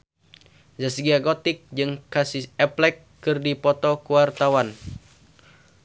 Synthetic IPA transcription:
zasiɡaɡɔt̪ik̚d͡ʒɨŋkasisɛplɛkː | ɨrdipɔt̪ɔkuwart̪awan

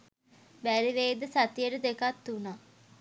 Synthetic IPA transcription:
bæɾiʋeːd̪əsat̪ijəʈəd̪ekat̪ːuna

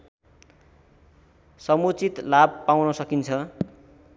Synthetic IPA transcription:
sʌmut͡sit̪lab̚pawnʌsʌkint͡sʰʌ

